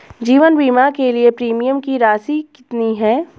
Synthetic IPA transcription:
d͡ʒiːʋənbiːmakeliepɾiːmijəmkiɾaːsikɪt̪niɦɛː

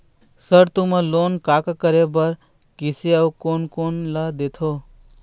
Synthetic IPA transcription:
səɾt̪umə̃lonkakkəɾebəɾ | kiseawkonkonlad̪et̪ʰo

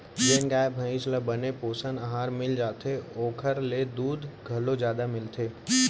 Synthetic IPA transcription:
d͡ʒeːnɡaːɪbbʱə̃ɪʃləbənepoːsənəɦaːɾmɪld͡ʒaːt̪ʰeoːkʰəɾled̪uːd̪ʱɡʱɐlõzjaːd̪amɪlt̪ʰeː

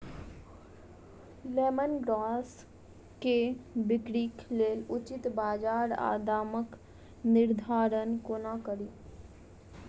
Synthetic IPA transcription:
leːmənɡɾaːs | kebɪkɾiːkleːlʊt͡ʃɪt̪baːd͡ʒaːɾa̰ːd̪aːmək | nɪɾd̪ʱaːɾənkonakəɾiː

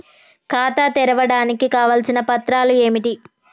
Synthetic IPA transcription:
kaːt̪aːt̪ɛɾɐʋɐɽaːnikikaːʋɐlsinɐpɐt̪ɾaːlue̞ːmiʈi

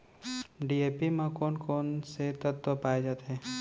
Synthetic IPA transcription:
ɖieːpimãkɔːnkɔːnset̪ət̪ːopaːed͡ʒaːt̪ɦɛ̃ː

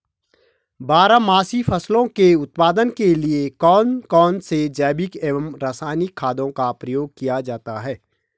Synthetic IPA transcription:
baːɾamaːsifʰɐslõkeʊt̪̚paːd̪ənkeliekɔːnkɔːnsed͡ʒɛːbɪkeːʋəmɾaːsaːɪnɪkʰːaːd̪õkapɾəjoːɡ̚kijad͡ʒaːt̪aɦɛː

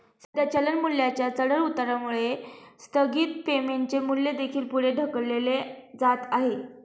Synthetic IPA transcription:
səd̪jat͡ɕələnmuljat͡ɕjat͡səɽəɾut̪ɾamuɭest̪ʰəɡiːt̪pemeɳt͡ɕemulːed̪ekʰiːlpuɭeɖʱəkəɽleled͡zat̪aɦe

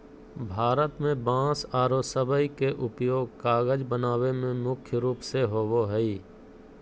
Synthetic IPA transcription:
bʱaːɾət̪mẽbãːsaːɾosəbəikeʔʊpjoːɡkaːɣəd͡ʒbənaːʋemẽmʊkʰjəɾuːpseɦoːʋoɦɛiː

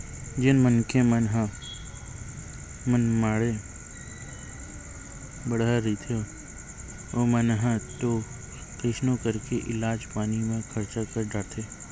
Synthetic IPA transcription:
d͡ʒɪnmənkemənɦa | mənmaːɽe | bəɽaɾit̪ʰe | omənɦãt̪o | kɪʃnõkəɾkeʔɪlaːd͡ʒpaːnimẽkʰəɾt͡ʃakəɾɖaːɾt̪ʰeː

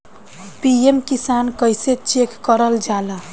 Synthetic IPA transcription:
piemkisankəjset͡ʃekːəɾəld͡ʒalə

